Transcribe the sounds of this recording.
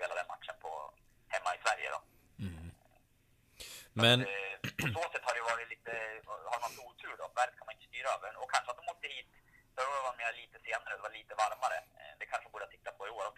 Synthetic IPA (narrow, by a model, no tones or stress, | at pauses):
peːlad̪ɛnma̰t̪ʂənpʰɔ̰ | hɛmːaɪsvæɾjə̰d̪ɔ̰ | mmɛnsoːsɛt̪ːhaɖɛjəvɑːɾɪt̪liːt̪əhaɾmant̪ʰɔuːt̪ʰɾʉːɖɔvæːɾd̪kʰanmaɪnəst̪yːɾaøːvəɔkʰanʂəat̪d̪ɔmɔk̚t̪ːəhiːt̪sɔhaɖ̪ɛvatʈ̪meːɾaliːt̪əseːnaɾəɔd̪ɛvaɾɭiːt̪əvaɾmaɾə̰d̪ɛkʰanʂəɔbuːɖ̪əat̪ʰɪ̥t̪ːapʰɔɪoːɾɔ